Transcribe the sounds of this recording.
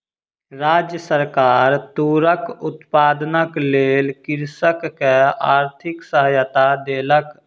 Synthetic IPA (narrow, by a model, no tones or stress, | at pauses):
ɾaːd͡ʒjəsəɾkaːɾt̪uːɾəkʊt̪paːd̪nəkleːlkɪɾsəkkeaːɾt̪ʰɪksəɦəjət̪ad̪eːlək